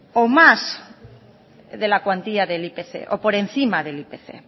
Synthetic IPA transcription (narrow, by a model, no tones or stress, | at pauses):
omaz | ðe̞lakwant̪iaðelipeθḛʔopo̞ɾe̞n̟θimaðe̞lipeθḛ